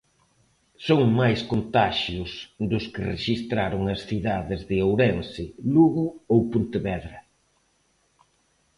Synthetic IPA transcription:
soŋmajskont̪aʃjʊsd̪ʊskɪrḛʃist̪ɾaɾʊŋɐsθiðaðɪzðɪowɾɛnsɪluɣʊowpunt̪ɪβɛðɾɐ

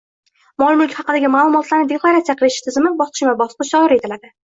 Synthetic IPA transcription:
mɒlˠmʊlkʲhɑqɨd̪aɡʲɪmaːlˠʊmɒt̪laɾnɪd̪ekʰlˠaɾat̪sijaqʰɨlˠɪʃɪ̥t̪ʰɪzɪmɪbɒsqʰʃɪmabɒsqɨʃd̪ɒɪɾe̞t̪ʰɪlad̪ɪ

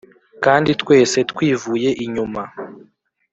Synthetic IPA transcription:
kaːnditkwe̞ːse̞tkwiːvuːje̞ʔiɲuma

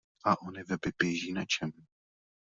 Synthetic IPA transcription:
ʔaʔonɪvɛbɪbjɛʒiːnat͡ʃɛm

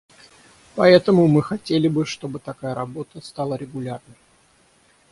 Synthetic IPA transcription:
pɐɛt̪əmʊmɨxɐtʲelʲɪbɨʂt̪o̞bɨt̪ɐkajəɾɐbo̞t̪əst̪ɑlˠəɾʲɪɡʊlʲarnəj

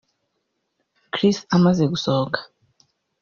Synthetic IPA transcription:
kɾisamaze̞ɡusokʰḁ

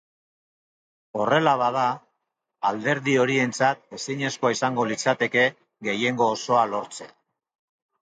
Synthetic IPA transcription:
o̞re̞laβaða | ald̪e̞ɾðio̞ɾie̞nt͡sat̪̚e̞siɲe̞sko̞aisaŋɡo̞lit͡sat̪e̞ke̞ | ɣe̞je̞ŋɡo̞ːso̞alo̞ɾt͡se̞

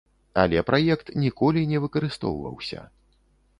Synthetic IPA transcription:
a̰lʲɛpɾʔajɛkt̪nʲikɔlʲinʲɛvɨkɐɾɨst̪ɔ̰wvɐ̰wsʲɐ̰

